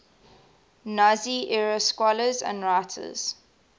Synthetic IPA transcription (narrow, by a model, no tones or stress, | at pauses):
naziʔɛɹoskwɔləzə̰̃ndɹaɪtʰə̰z̥